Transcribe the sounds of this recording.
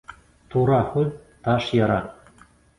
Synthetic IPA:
t̪uɾɑχuðt̪ɑʃjɑɾɑ

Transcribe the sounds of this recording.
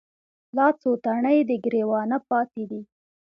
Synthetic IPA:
lɑt͡sot̪aɳəjd̪əɡɾewɑnapɑt̪ed̪i

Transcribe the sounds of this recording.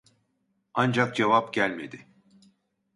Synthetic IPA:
and͡ʒak̚d͡ʒevapɟælʲme̞̰d̪ɪ

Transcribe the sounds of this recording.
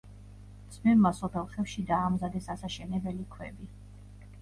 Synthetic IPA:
d̪smɛmmasɔpʰɛlˠχɛfʃid̪aːmzad̪ɛsasaʃɛnɛbɛlikʰwɛ̰bi

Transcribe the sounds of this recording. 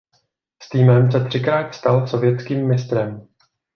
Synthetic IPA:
st̪iːmɛmsɛt̪r̝̥ɪkɾaːt̪st̪also̞vjɛtt͡skiːmːɪst̪ɾɛm

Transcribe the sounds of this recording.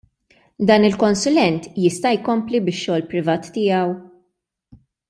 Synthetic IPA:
d̪ɐːnɪlkɔnsʊlɛnt̪jɪst̪ɐjkɔmplibɪʃːɔːlpɾɪvɐːt̪ːɪjɐw

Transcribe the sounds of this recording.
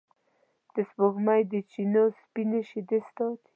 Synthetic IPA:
d̪̥əsboɣmajd̪ət͡ʃinospineʃid̪est̪ot̪

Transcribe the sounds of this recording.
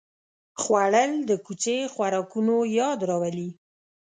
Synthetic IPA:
xwaɽəld̪əkut͡ʃexwaɾɑkunojɑd̪ɾɑwali

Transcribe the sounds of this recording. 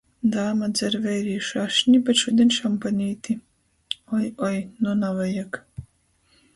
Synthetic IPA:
d̪aːmad̪zʲɛɾvɛjɾiːʃaʃnʲibɛt̪ʃud̪ʲɛnʲʃampanʲiːt̪i | ɔjɔjnɔnavajak

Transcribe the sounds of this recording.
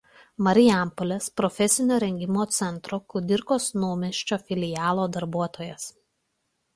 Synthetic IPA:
mɐɾʲɪjæˑmpolʲɛspɾɔfʲɛsʲɪnʲoːɾʲɛŋʲɡʲɪmoːt̪sʲɛnˑt̪ɾoːkʊd̪ʲɪɾkoːsnoːmʲɛʃʲt͡ʃʲoːfʲɪlʲɪjɑːlˠoːd̪ɐɾbuɔt̪oːjɛs

